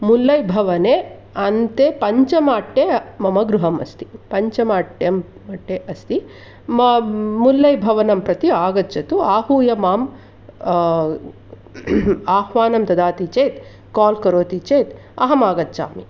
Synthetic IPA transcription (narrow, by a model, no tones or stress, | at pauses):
mulːɐjbʱɐʋɐneː | ɐnt̪eːpɐɲt͡ʃɐmaːʈːeːmɐmɐɡɾuɦɐmɐ̰st̪i̥pɐɲt͡ʃɐmaːʈjɐmː | ɐʈːeːʔɐst̪i | mulːɐjbʱɐʋɐnɐmpɾɐt̪iaːɡɐt͡ʃɐt̪uaːhuːjɐmaːm | aːhʋaːnɐmt̪ɐd̪aːt̪it͡ʃeːt̪ | kaːlkɐɾoːt̪it͡ʃeːt̪ | ɐɦɐmaːɡɐt̪ːt͡ʃa̰ːmi